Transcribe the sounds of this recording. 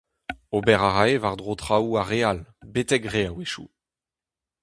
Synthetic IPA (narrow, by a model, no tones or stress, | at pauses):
obɛʁaʁaevaʁd̪ʁot̪χauaʁealbet̪ɛkʁeaweʃṵ